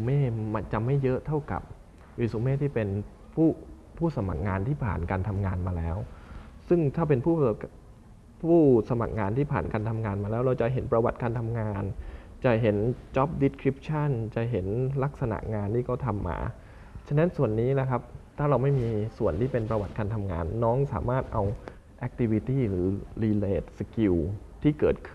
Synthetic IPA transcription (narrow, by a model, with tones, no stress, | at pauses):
su˧˦meː˥˩ma˧nt͡ɕa˨ma˥˩jːɤ˦˥ʔt̪ʰa˥˩wka̰˨˩p̚ | ɾɯ˨˩su˨˦meː˥˩t̪ʰiː˥˩pe˧n | pʰuː˥˩ | pʰuː˥˩sa˧ma̰˨˩k̚ŋaː˧nt̪ʰiː˥˩pʰa̰ː˨˩nkaː˧nt̪ʰa˧mŋaː˧nmaː˧lɛ̰ː˦˥wsɯ˥˩ŋt̪ʰaː˥˩pe˧npʰuː˥˩ | pʰuː˥˩sa˧ma̰˨˩k̚ŋaː˧nt̪ʰiː˥˩pʰa̰ː˨˩nkaː˧nt̪ʰa˧mŋaː˧nmaː˧lɛː˦˥wɾa˧wt͡ɕa˨˩jɦe˩˦npɾa˧wa˨˩t̪̚kaː˧nt̪ʰa˧mŋaː˧n | t͡ɕa˨˩ɦe˩˦nt͡ɕɔ˦˥p̚di˦˥tkʰɾi˦˥p̚t͡ɕʰa˥˩nt͡ɕa˨˩ɦe˩˦nla˦˥k̚sa˧na̰˨˩ʔŋaː˧nt̪ʰiː˥˩kʰɔ˥˩wt̪ʰa˧mːa̰ː˧ | t͡ɕʰa˦˥na˦˥nsu˨˩ənːiː˦˥la˦˥kʰa˦˥p̚t̪ʰaː˥˩ɾa˧wma˥˩jmiː˧su˨˩ənt̪ʰiː˥˩pe˧npɾa˧wa˨˩t̪̚kaː˧nt̪ʰa˧mŋa̰ː˧nːɔː˦˥ŋsa̰ː˩˦maː˥˩t̪̚ʔa˧w | ʔɛ˧˦˥k̚t̪ʰi˦˧˥wi˦˥t̪iː˥˩ɾɯː˩˦liː˧leː˦˩t̪̚sa˧ki˧w | t̪ʰiː˥˩kɤː˨˩t̪̚kʰɯ˥˩